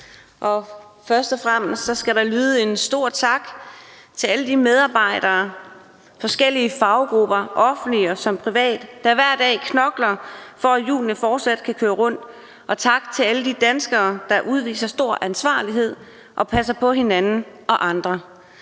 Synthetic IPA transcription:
ʔɒ̽ | fɶɐsd̥ɒ̽fʁam̰sd̥sɒ̽sɡ̥æɾɑ̈lyːðˠəe̝nsd̥o̝ɐ̰t͡sʰɑ̈ɡ̥ | t͡sʰe̝æləd̥imeð̞ˠɑ̈ːb̥ɑ̈ɪ̰ɾ̥ɐː | fɒ̽sɡ̥el̰iəfɑ̈ʊɡ̥ʁub̥ɐʔɒ̽fn̩d̥liɒsɒ̽mpʰʁiʋɛ̰ːd̥ːæɐʋæɐ̰d̥ɛ̰ːkʰnɒ̽ɡ̥lɐfɒ̽æjṵːlnəfɒːd̥sæd̥̚kʰækʰøːɐʁɔ̽n̰d̥ | ʔɒ̽t͡sʰɑ̈ɡ̥̚t͡sʰe̝æləd̥id̥ænsɡ̥ɐːd̥ɑ̈ʔuð̞ˠʋḭːsɐsd̥o̝ɐ̰ʔænsʋɑ̰̈ːliɦe̝ð̞̰ˠ | ʔɒ̽pʰæs̬ɐpʰɒ̽ɦe̝nænn̩ʔɒ̽ʔɑ̈nd̥ʁɐ

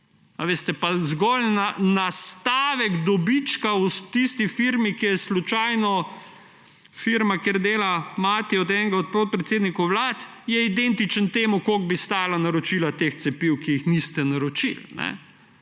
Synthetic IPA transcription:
aʋeːst̪ɛpazɡɔlnanast̪aːʋɛɡd̪ɔbit͡ʃkaut̪ist̪ifiɾmikijɛslut͡ʃaːjnɔ | fiɾmakeɾd̪eːlamaːt̪iɔd̪ɛːnɛɡaɔt̪̚pɾoːt̪̚pɾɛt̪seːd̪nikɔʋlaːt̪ | jɛid̪ent̪it͡ʃənt̪eːmukoːɡ̚bist̪aːjalanaɾɔt͡ʃilat̪ext̪sɛpiwkijixnist̪ɛnaɾɔt͡ʃḭlnɛ̰

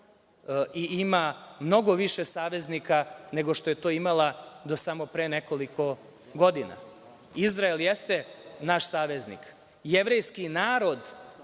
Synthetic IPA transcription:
iimamno̞ɡo̞ʋiʃesaːʋe̞znikane̞ɡo̞ʃt̪o̞je̞t̪o̞ːimalad̪o̞samo̞pɾeneko̞likʰo̞ | ɡo̞d̪ina̰ | izɾaeljest̪enaʃsaːʋe̞znḭk | jeʋɾejskinaːɾo̞d̪

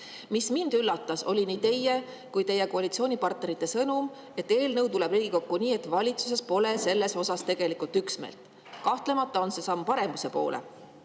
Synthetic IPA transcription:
mismind̪̥ylːɑt̪ːˑɑso̞̰lʲiniːt̪e̞jːe | kujt̪e̞jːekoɑlʲit̪sio̞ːnʲipɑrt̪̚ne̞ɾit̪ːˑe̞sɤnum | e̞t̪ːe̞ːlnɤwt̪ule̞briːɡ̥iko̞kːuniːe̞t̪ːˑvɑlʲit̪sus̬e̞spo̞le̞se̞lːe̞so̞sɑst̪e̞ɡ̥e̞likult̪yksmḛlt̪ | kɑht̪le̞mɑt̪ːˑɑo̞nse̞sɑmːpɑɾe̞muse̞po̞ːlʔḛ

